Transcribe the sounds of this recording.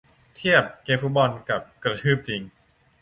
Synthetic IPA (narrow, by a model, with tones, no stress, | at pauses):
t̪ʰi˥˩əp̚keː˧mfu˦˥t̪̚bɔ˧nka˨˩p̚kɾa˧t̪ʰɯː˥˩p̚t͡ɕi˧ŋ